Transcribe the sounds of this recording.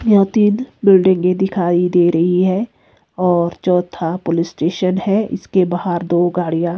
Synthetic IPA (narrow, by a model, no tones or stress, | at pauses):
jãːt̪iːnbɪlɖɪ̃ŋɡẽd̪ɪkʰaːid̪eːɾɐɦiɦɛː | ɔːɾt͡ʃɔːt̪ʰapolɪsʈeːʃənɦɛɪ̰skebaːɦəɾd̪oːɡaːɽijãː